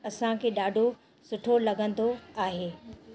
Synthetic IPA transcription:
ɐsãkʰeːɗaːɖʱo | sʊʈʰolɐɡə̃n̆d̪oaːɦeː

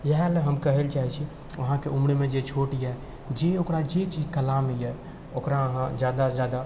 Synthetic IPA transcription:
jəɦãleɦəmkəɦelt͡ʃaːɦit͡ʃʰi | ʋɐɦãkeʔumɽemẽd͡ʒet͡ʃʰoʈiɛ | d͡ʒeokɾad͡ʒet͡ʃid͡ʒkəlaːmijɛ | okɾaɦãd͡ʒjaːd̪azjaːd̪a

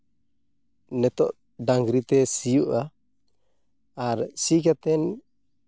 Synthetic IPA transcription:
nɛt̪ɔʔ | daŋɡɾit̪ɛsijuʔa | ɾsikat̪ɛn

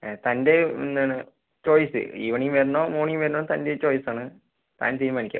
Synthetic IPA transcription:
t̪ɐnde̞ḭnːaːɳɨ | t͡ɕo̞ːjsɨ̰iʋɐɳijumʋeɾunːoːmoːɳijumʋeɾunːoːt̪ɐndet͡ɕo̞ːjsaːɳɨ | t̪a̰ːnt̪iːɾmaːnikʲːɐ̰

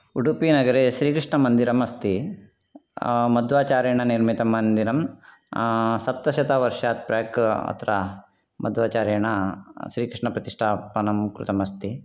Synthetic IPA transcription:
uɖupiːnɐɡɐɾeʃɾiːkɾiʂɳɐmɐnd̪iɾɐmɐst̪i | mɐd̪ʋaːt͡ʃaːɾɐjɳɐniɾmit̪ɐmɐnd̪iɾɐm | sɐp̚t̪ɐʃɐt̪aːʋɐɾʂaːt̪̚pɾaːkɐ̰t̪ʰɐɾɐ | mɐd̪ʋaːt͡ʃaːɾɐjɳɐʃɾiːkɾɪʂɳɐpɾɐt̪iʂʈʰaːpɐnɐmkɾṵt̪ɐmɐst̪i

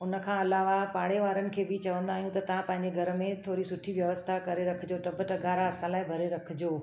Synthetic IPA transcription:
ʊnəkʰãɐlaːʋapaːɽ̤eʋaːɾənɪ̆kʰeːbɪt͡ɕɐʋə̃nd̪aːɦijũt̪ɐt̪ɐʋ̤ãpɐ̃ɦɪ̃ɲd͡ʑeɡʱɐɾ̆mẽt̪ʰoːɾisʊʈʰiʋjɐʋəst̪ʰakɐɾeɾɐkʰɪd͡ʑoːʈɐbəʈəɡaːɾaɐsãlaːɪbʱɐɾeɾɐkʰɪd͡ʑoː

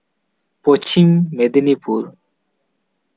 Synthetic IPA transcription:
pot͡ʃimmed̪nipuɾ

